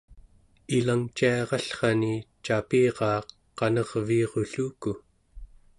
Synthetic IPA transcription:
ilaŋt͡ʃiɑʁɑɬχɑnit͡ʃapiːʁɑːqː | ɑnʌʁviːʁoɬuːku

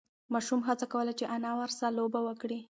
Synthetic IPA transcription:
mɑʃumɦat͡sakawəlat͡ʃeʔanɑwəɾsalobawəkɽi

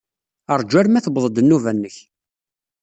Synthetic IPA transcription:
əɾˤd͡ʒæɾmæθəbðˤəd̪ənːuvænːəç

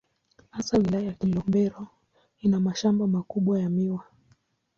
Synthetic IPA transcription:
hasawilajajakilɔmbɛɾɔ | inamaʃambamakuɓwajamiwa

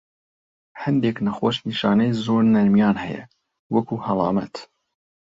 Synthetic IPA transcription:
hɐnd̪eːknɐxoːʃniʃɑːnɛjzoːɾnɐɾmjɑːnhɛjɛ̰ | wɐkuːhɐlˠɑ̰ːmɐ̰t̪

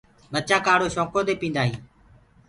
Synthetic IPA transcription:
ɓət͡ʃãːkaːɽoːʃõːkoːd̪eːpĩːnd̪aːɦiː

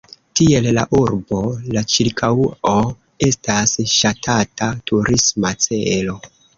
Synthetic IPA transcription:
tie̞lla̰ʔuɾbo̞lat͡ʃiɾkʰawo | e̞stasʃatʰatatʰuɾʔismat͡se̞lo̞

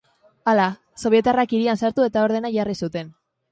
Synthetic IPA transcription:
ala | so̞βje̞t̪arakiɾiansaɾt̪ue̞t̪ao̞ɾðe̞naʝarisut̪e̞n

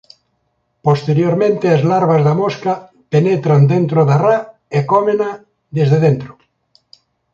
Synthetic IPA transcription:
post̪eɾjoɾmẽnt̪eazlaɾβazðamoska | penet̪ɾand̪ẽnt̪ɾoðara | ekomena | d̪ezðeðent̪ɾo̥

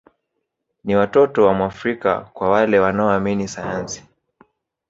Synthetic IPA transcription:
niwatɔtɔwamuafɾika̰kwawalɛwanaɔaminisajansi̥

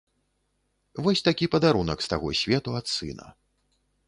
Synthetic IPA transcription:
vɔsʲt̪akʲipɐd̪aɾunɐkst̪aɣɔsʲvʲɛt̪uat̪sɨ̰nɐ̰

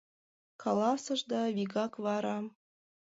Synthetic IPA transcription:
kʰɑlˠɑsɤ̆ʒd̪ɑvʲiɡɑkvɑɾɑ

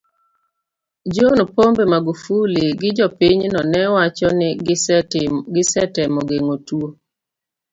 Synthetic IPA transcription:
d͡ʒonpombemaɡufuliɡɪd͡ʒɔpɪɲnɔnɛwat͡ʃɔnɪ | ɡɪsɛtɛmɔɡeŋotuo

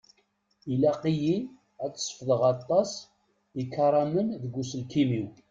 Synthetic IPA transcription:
ilæqiji | æt͡sːə̥sˤːfðˤəʁɑt̪ˤːɑs | ikːɑɾˤɑmənðəɡʷːusəlkimiw

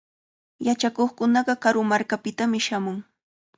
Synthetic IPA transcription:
jat͡ʃakoχkʊnɑɢɑkaɾʊmaɾkapɪt̪amɪʃamʊŋ

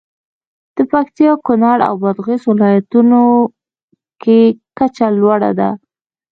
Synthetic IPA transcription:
d̪̥əpakt̪ijɑkʊnɑɽa̰wbad̪ɣeswɪlɑjat̪uno | kekat͡ʃalwaɽa̰d̪a̰

